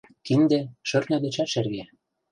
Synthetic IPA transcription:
t̪ind̪ĕʃø̆rnɤ̆d̪ɘ̆t͡ɕæʃĕrɣe

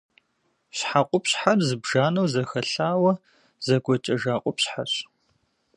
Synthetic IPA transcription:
ɕħaqʷʼʊpɕħarzɨbʒaːnɐwzɐxɐɬaːwɐ | zɐɡʷɔt͡ʃʼɐʒaːqʷʼɔpɕħaɕ

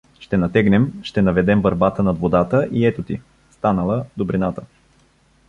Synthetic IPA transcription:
ʃt̪ɛnɐt̪ɛɡnɛmʃt̪ɛnɐvɛd̪ɛmbɐɾbat̪ənɐd̪vod̪at̪əʔiɛt̪ʊt̪ḭ | st̪anəlˠəd̪obɾinat̪ə

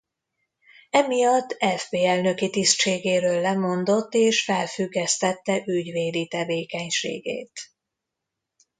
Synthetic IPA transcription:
ɛmijɒt̪ːɛvbeːɛlnø̞kit̪istt͡ʃeːɡeːɾøːlːɛmo̞nd̪o̞t̪ːeːʃfɛlfyɡːɛst̪ɛt̪ːɛʔyɟveːd̪it̪ɛveːkɛɲʃḛːɡḛːt̪

